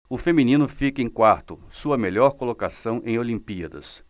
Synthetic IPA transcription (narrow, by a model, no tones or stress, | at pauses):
ʊfemĩnĩnʊfikẽj̃kwaɾt̪ʊsuɐmeʎɔɾkolokasɐ̃w̃ʔẽj̃olĩmpiɐd̪ɐ̰s